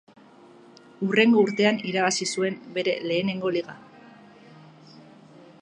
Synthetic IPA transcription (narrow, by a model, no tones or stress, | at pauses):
ure̞ŋɡo̞uɾt̪e̞aniɾaβ̞asisue̞mbe̞ɾe̞̰le̞ːne̞ŋɡo̞liɣa